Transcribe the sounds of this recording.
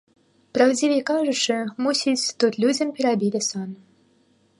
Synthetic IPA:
prɑwd͡zʲivʲekɑʐɨ̆ʂɨmusʲit͡sʲt̪ut̪lʲud͡zʲə̆mpʲeɾabʲilʲɘson

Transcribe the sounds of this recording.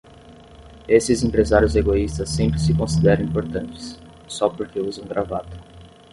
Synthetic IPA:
esɪzẽmpɾezaɾjʊzeɡoist̪ɐsːẽmpɾɪsɪkõsid̪ɛɾɐ̃ĩpoɾt̪ɐ̃nt͡ʃɪ̥sː | ɔpoɾkeuzɐ̃w̃ɡɾavat̪ʊ̥

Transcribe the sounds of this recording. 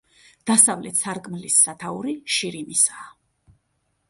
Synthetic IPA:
d̪̥asavlɛt̪saɾkʼmlisːat̪ʰauɾiʃiɾimisaː

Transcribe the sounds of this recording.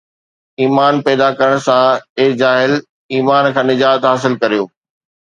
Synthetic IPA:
iːmaːnpɛːd̪akɐɾəɽ̃sãɪd͡ʑaːɦɪl | iːmaːnkʰãːnɪd͡ʑaːt̪ɦaːs̬ɪlkɐɾijoː

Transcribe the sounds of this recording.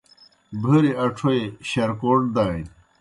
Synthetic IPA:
bʱɐɾiɐʈ͡ʂʰoeɕɐɾkoːʈd̪aːĩ

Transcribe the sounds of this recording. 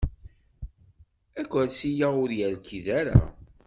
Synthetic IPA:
ækʷːæɾsijaʊɾjæɾkiðæɾa̰

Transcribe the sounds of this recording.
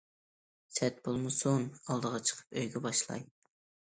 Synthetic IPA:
sɛt̪bolˠmɨsunɑlˠd̪əʁɑt͡ʃʰə̥qʰə̥pøjɡʲɛbɑʃlˠɑ̰j

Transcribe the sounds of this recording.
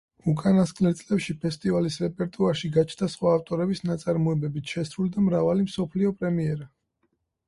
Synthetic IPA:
ukʼanaskʼlɛɾt̪sʼlɛpʃipʰɛst̪ʼivalisɾɛpʼɛɾt̪ʼuaɾʃiɡat͡ʃʰnd̪asχwaːft̪ʼɔɾɛbisnat̪sʼaɾmɔɛbɛbit̪ʰʃɛsɾulid̪amɾavalimsɔpʰliɔpʼɾɛmiɛɾa

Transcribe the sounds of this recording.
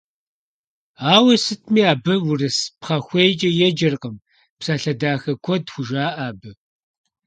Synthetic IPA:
aːwɐsɨtʰmiːaːbɐwʊrɨspχɐxʷejt͡ʃʼɐjɛd͡ʒɐrqəm | psaːɬɐdaːxɐkʷʰɔdxʷʊʒaːʔaːbɨ

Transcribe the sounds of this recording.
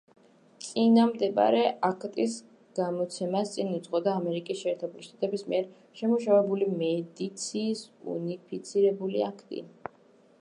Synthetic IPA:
t̪sʼinamd̪ɛba̰ɾɛakʰt̪ʼis | ɡ̥amɔt̪sʰɛmast̪sʼinud̪zʁɔd̪aːmɛɾikʼisʃɛːɾt̪ʰɛbuliʃt̪ʼat̪ʼɛbismiɛɾ | ʃɛmuʃavɛbulimɛd̪it̪sʰiːsṵnipʰit̪sʰiɾɛbuliakʰt̪ʼḭ

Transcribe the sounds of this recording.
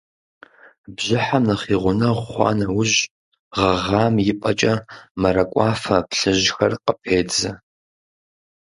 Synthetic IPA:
bʑɪħamnɐχiːʁʷʊnɐʁʷχʷɑ̰ːnɐwʊʑ | ʁɐʁaːmjɪpʼɐt͡ʃʼɐmɐɾɐkʷʼɑːfɐpɬɨʑxɐ̰rqəpʰeːd͡zɐ

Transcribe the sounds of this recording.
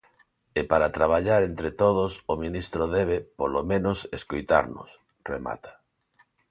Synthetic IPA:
epaɾat̪ɾaβ̞aʎaɾent̪ɾet̪oð̞ʊsomĩnist̪ɾoðɛβ̞epolomẽnoseskojt̪a̰ɾnʊ̰s | rema̰t̪ʰḁ

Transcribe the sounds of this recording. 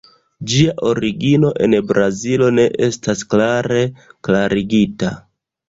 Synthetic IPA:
d͡ʒiaʔo̞ɾiɡino̞ʔe̞nbɾazilo̞ne̞ʔe̞stasklaɾe̞klaɾiɡita̰

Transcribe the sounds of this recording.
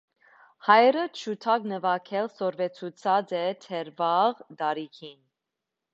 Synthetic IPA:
hɑjɾət͡ʃʰut̪ʰɑknəvɑkʰɛlsɔɾvɛt͡sʰut͡sʰɑd͡zɛt̪ʰɛɾvɑʁd̪ɑɾikʰin

